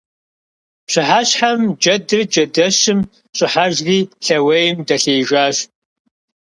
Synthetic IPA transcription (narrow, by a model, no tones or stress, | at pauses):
ɕɪħaɕħamd͡ʒɐdɨrd͡ʒɐdɐɕɪm | ɕʼɪħaʒriːɬɐwɐjɪmdɐɬeːʒʷaːɕ